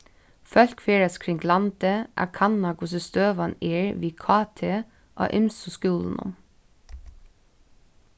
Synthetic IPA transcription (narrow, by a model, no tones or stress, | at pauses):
fœlkfeːɹəskʰɹɪŋɡlɑnd̪əʔæ̰ːkʰɑnɑɡʊsəst̪øːʋɑneːɹʋiːkʰɑːt̪ʰeː | ʔo̰ːʔɪmsʊskʉːln̩ʔʊ̰m